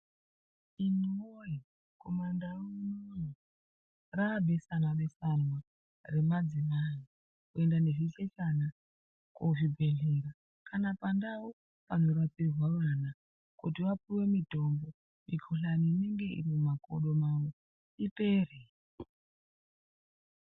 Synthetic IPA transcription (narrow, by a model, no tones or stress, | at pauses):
inoji | ko̞mandarononi | rabʱe̞sanare̞sanwa | re̞mad͡zimani | kue̞ndane̞ʐiɬe̞t͡ʃana | kuʐibʱe̞ɮeɾa | kanapandawo | panoɾat͡sirwaruana | kutiwapuwe̞midʱo̞mbo | mikʰoɬaniːne̞ŋɡe̞ḭrimumako̰ɗo̞mawo | ipe̞ːre